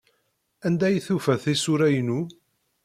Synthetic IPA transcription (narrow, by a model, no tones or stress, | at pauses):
ænd̪æjθufæθisuɾæjnu